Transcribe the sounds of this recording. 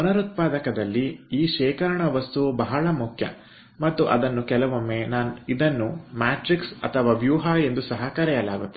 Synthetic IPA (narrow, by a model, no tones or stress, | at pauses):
ɐnɐɾut̪̚paːd̪ɐkɐd̪ɐlːiiːʃɛːkɐɾɐɳɐʋɐst̪ubɐɦɐɭɐmukʰjɐ̰ | mɐt̪ːuʔɐ̰d̪ɐnːukɛlɐʋomːeːnaːnuid̪ɐnːumaːʈɾiksɐ̰t̪ʰɐʋaːbjuːɦae̞nd̪usɐɦɐkɐɾɛjɐlaːɡut̪ːe